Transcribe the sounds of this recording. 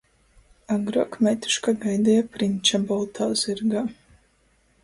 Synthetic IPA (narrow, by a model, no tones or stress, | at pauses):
aɡɾuɔkmɛt̪u̥ʃkaɡajd̪ɛjapɾinʲt͡ʃabɔlˠt̪ʰaz̥iɾɡaː